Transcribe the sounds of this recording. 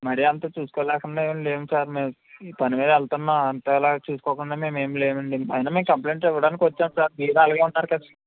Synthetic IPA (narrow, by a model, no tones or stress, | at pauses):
mɐɾijɐnt̪aːt͡ʃuːsu̥koːlɛːkuɳɖaːeːʋɐɳleːmusaːɾmeːmː | pɐnimiːd̪ɐɛlt̪unːaːɐnt̪ɐɛlaːt͡ʃuːsu̥koːkuɳɖaːme̞ːmeːmleːmɐɳɖiɐjinaːmeːmkɐmple̞ːɳʈɛʋɐɽaːnikiʋɐt͡ʃːaːmsaːɾmiːɾaːlɐɡaːunːaːɾukɐd̪